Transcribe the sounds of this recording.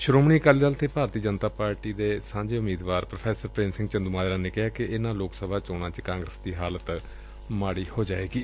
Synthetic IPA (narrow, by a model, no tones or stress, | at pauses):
ʃʊɾoːmɳiːkəlid̪əlt̪ʰeːpaːɾt̪iːd͡ʒənt̪aːpaːɾʈiːd̪eːsãːɲd͡ʒeːʊmiːd̪ʋaːɾpɾəpʰɛːsəɾpɾẽːnsɪŋɡt͡ʃənd̪umaːjɾaːneːkɪɦaːkɪʔɪnãːloːksəbʱaːt͡ʃoːɽ̃ãːt͡ʃkãːŋɡɾəsd̪iːɦaːlət̪ | maːɽiːhoːd͡ʒaːeːɡiː